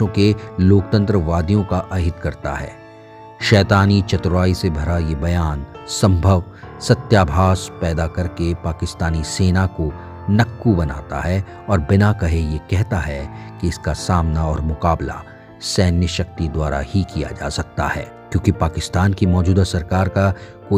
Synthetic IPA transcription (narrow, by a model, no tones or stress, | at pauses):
õkeloːk̚t̪ə̃nt̪ɾəʋaːd̪jõkaʔɐɦɪt̪kɐɾt̪a̰ɦɛ̰ː | ʃɛːt̪aːnit͡ʃɐt̪ɾʋaːisebʱɐɾajebɐjaːnsɐ̃mbʱəʋ | sɐt̪jaːbʱaːspɛːd̪akɐɾkepaːkɪst̪aːniseːnako | nɐkːubɐna̰ːt̪a̰ɦɛ | ɔːɾbɪnakɐɦejekɛɦt̪aɦɛkeɪskasaːmnaɔːɾmʊkaːbla̰ | sɛːnjəʃɐk̚t̪id̪waːɾa̰hikija̰d͡ʒa̰ːsɐk̚t̪a̰hɛ̰ː | kjõːkipaːkɪst̪aːnkimɔːd͡ʒuːd̪asɐɾkaːɾkakoː